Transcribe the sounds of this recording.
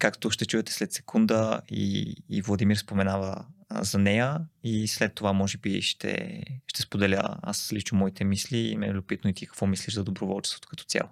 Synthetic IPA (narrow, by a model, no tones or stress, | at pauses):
kakt̪oʃt̪ɛt͡ʃuɛt̪ɛ̥slɛt̪sɛ̥kʰund̪əḭːvlˠɐd̪imiɾspomɛnavəzɐnɛjəislɛt̪ːovamɔʒɛbiʃt̪ʰɛ̰ʃt̪ɛspod̪ɛlʲə̰a̰slit͡ʃnomɔit̪ʰɛmislḭːmɛlʲʊpit̪noit̪ikɐ̥kvɔmisliʃzɐd̪obɾovɔlˠt͡ʃɛ̥st̪vot̪o̥kɐ̥t̪ɔ̥t̪sʲja̰lˠo